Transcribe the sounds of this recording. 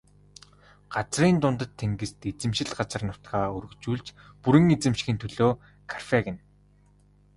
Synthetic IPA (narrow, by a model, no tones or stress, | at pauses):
ɢ̥at͡sriːnt̪ʊnt̪ə̆t̪ʰːeŋɡɘ̆st̪et͡sɘ̆mʃɪ̆ɮɢat͡sə̆rnʊt̪ɡaːɵɾɵ̆t͡ɕuːɮt͡ɕ | puɾɘ̆ŋet͡sɘ̆mʃ̆xiːnt̪ʰɵɮoː | kʰarfeɣɪ̆n